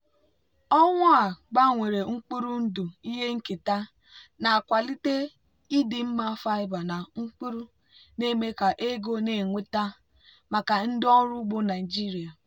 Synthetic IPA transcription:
ɔ˦ŋʷa˦a˨ɡ͡ba˦˨ŋʷe˨ɾe˨ŋ͡m̩˦k͡pu˦ɾu˦n̩˦du˨i˦ɦe˦ŋ̩˦ki˨ta˦ | na˨kʷa˨li˦te˦ | i˦di˨m̩˦ma˦fa˦ɪ˦ba˨na˨ŋ͡m̩˦k͡pi˦ɾu˦ | ne˦me˦ka˨ʔe˦ɡo˦ne˨ŋʷe˦ta˦ | ma˨ka˨n̩˦dɔ˦ɾu˦ɡ͡bo˦na˨i˨d͡ʒi˦ɾi˨a˨

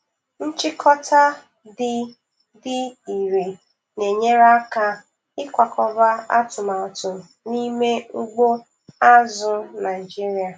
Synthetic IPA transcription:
n̩˦t͡ʃɪ˦kʰɔ˦tʰa˦ | dɪ˦ | dɪ˦i˨ɾe˨ | ne˨ɲe˦ɾa˦ka˦ | ɪ˦kʷa˨kʰɔ˨ba˦a̰˦tʊ˨ma˨tʊ˨m˨ni˦me˦u˦ɡ͡bo˦ | a˦zʊ˨na˨ɪ˨d͡ʒi˦ɾi˦a˨

